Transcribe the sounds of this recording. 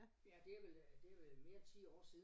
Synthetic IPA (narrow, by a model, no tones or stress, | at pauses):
jæd̥e̝æɐʋeld̥e̝æɐʋelme̝ːɐnt͡sʰḭːɒ̰ːsiːðˠ